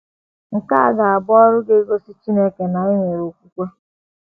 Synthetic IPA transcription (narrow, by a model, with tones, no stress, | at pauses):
ŋ̩˨ka˦a˦˨ɡa˨a˨bɔ˦ɾʊ˦ɡe˦ɡo˦si˦t͡ʃi˦ne˦ke˨na˨i˦ɲe˨ɾo˨kʷu˦kʷe˦